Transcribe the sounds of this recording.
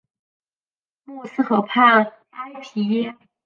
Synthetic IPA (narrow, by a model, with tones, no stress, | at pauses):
mu˥˩sɹ̩˥˩xɤ˧˥pʰa˥˩ | a˥ɪtʰi˧˥jɛ˥